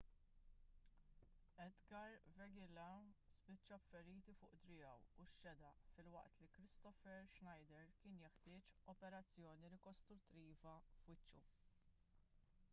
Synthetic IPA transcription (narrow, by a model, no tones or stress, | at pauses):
ɛd̪ɡɐɾvɛɡɪlɐspɪt͡ʃːɐfːɛɾiːt̪ifʊːʔd̪ɾɪjɐwuʃːɛd̪ɐʔfɪlwɐ̰ʔt̪likɾɪst̪ɔfɛɾʃnɐjd̪ɛɾkɪːnjɛħt̪ɪːt͡ʃɔpɛɾɐt͡sːjɔːniɾɪkɔst̪ɾʊt̪ːiːvɐfwɪt͡ʃːu